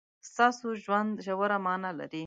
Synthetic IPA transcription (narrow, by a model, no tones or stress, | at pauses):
st̪ɑsoʒwand̪ʒawəɾamɑnala̰ɾi